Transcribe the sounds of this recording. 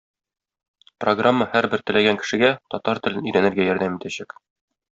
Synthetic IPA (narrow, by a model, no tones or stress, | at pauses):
proɡramːəhæɾbɘɾt̪ɘ̆læɡæŋkɘ̆ʃɘ̆ɡæt̪ɒt̪ɑɾt̪ɘ̆lɘnɵ̆jɾænɘ̆ɾɡæjɒɾd̪æmit̪æɕæk